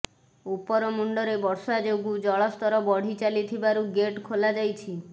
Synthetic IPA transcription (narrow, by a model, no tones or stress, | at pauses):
upɔɾɔmuɳɖɔɾebɔɾsad͡ʒoɡud͡ʒɔɭɔst̪ɔɾɔbɔɽ̤it͡ʃalit̪ʰibaɾuɡeʈkʰolad͡ʒajt͡ʃʰi